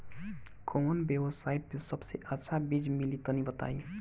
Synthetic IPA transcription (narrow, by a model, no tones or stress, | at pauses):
komənbjebəsaiʈ̚pesəbseʔətːʃʰabid͡ʒmilit̪ənibət̪a̰i